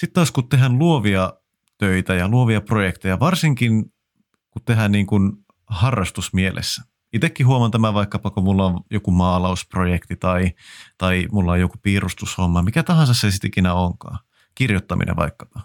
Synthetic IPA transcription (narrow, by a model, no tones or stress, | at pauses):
sit̪t̪ːoskut̪ːeɦænluoʋiɑ | t̪øit̪æjɑluoʋiɑprojekt̪ejɑʋɑrsiŋkin | kut̪t̪eɦænniːŋkun | hɑrːɑst̪usmielʔḛsːæ̥ | it̪ekːihuomɑnt̪æmæʋɑikːɑpɑkomulːɑoʋjokumɑːlɑusprojekt̪it̪ɑit̪ɑimulːɑojokupiːrust̪ushomːɑmikæt̪ɑhɑnsɑssesit̪ikinæoŋkɑ̰ː | kirjot̪ːɑmḭnʔḛʋɑ̰ikːɑ̥pɑ